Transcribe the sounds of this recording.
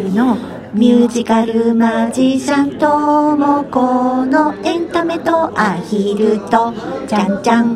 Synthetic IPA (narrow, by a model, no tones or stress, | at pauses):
no | mʲjɯːʑikaɾɯ̟mad͡ʑisãnt̪omokonoẽnt̪ame̞t̪oʔaçiɾɯt̪o | t͡ɕãnt͡ɕã